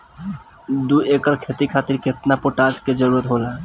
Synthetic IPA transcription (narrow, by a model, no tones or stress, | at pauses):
d̪uekəɾkʰet̪ikʰaːt̪ɪɾkɪt̪napoʈaːd͡ʒked͡ʒəɾuːɾət̪ɦola